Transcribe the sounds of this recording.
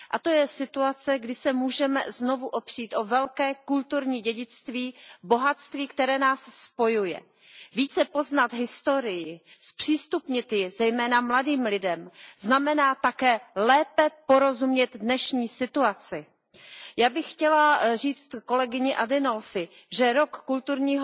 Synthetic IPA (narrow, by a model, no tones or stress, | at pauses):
ʔat̪o̞jɛsɪt̪uat͡sɛɡdɪsɛmuːʒɛmɛ̰zno̞vuʔo̞pr̝̥iːt̪ʔo̞vɛlkɛːkult̪uɾɲiːɟɛɟɪt͡st̪viːbo̞ɦat̪st̪viːkt̪ɛɾɛːnaːsːpo̞jujɛ̰ | viːt͡sɛpo̞znat̪ɦɪst̪o̞ɾɪjɪspr̥iːst̪upɲɪt̪jɪzɛjmɛːnamladiːmlɪdɛmznamɛnaːt̪akɛːlɛːpɛpoɾo̞zumɲɛt̪dnɛʃɲiːsɪt̪uat͡sɪ | jaːbɪxxcɛlar̝iːt͡st̪ko̞lɛɡɪɲɪʔadɪnolfɪ | ʒɛɾokːult̪uɾɲiːɦ